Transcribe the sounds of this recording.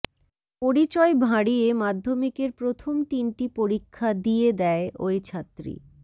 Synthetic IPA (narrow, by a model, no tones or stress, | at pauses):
poɽit͡ɕɔebʱaɽijemad̪ʱːomikeɾpɾot̪ʰomt̪inʈipoɾikʰːad̪ijed̪ɛeʔojt͡ɕʰat̪ːɾḭ